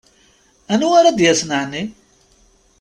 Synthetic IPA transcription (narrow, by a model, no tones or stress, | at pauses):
ænuaɾad̪jæsnəʕni